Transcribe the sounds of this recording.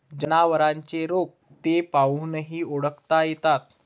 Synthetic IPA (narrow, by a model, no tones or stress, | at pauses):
d͡ʑənaʋəɾãɲt͡seɾok̚ | t̪epaʋunəɦiːoɽəkt̪ajet̪at̪